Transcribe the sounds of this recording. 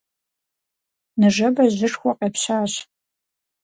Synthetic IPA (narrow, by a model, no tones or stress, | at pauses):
nɨʒɐbɐʑɨʂxʷɔqʼepɕaːɕ